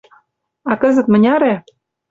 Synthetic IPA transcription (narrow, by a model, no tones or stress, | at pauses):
ɑkə̆zə̆t̪mə̆nʲɑɾe